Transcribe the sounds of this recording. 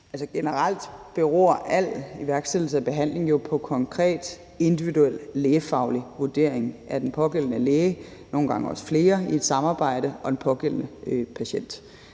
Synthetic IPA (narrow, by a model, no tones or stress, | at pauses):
ælsəɡ̥e̝nəʁɑl̰d̥b̥e̝ʁɔɐ̰ʔæl̰iʋæɐɡ̥sed̥l̩səæb̥e̝ɦæn̰le̝ŋjo̝pʰɒ̽kʰɒ̽ŋkʰʁɛ̰ːd̥ | e̝nd̥iʋiduel̰leːfɑ̈ʊliʋuɐd̥e̝̰ɐ̰eŋæd̥enpʰɒ̽ɡ̥el̰ənəleːɪno̝ːn̩ɡ̥ɑ̈ŋəɒ̽sə̥fle̝ːɐie̝d̥sɑ̈mɑ̈ːb̥ɑ̈ɪ̰ɾ̥əɒ̽d̥enpʰɒ̽ɡ̥el̰ənəøpʰæɕen̰d̥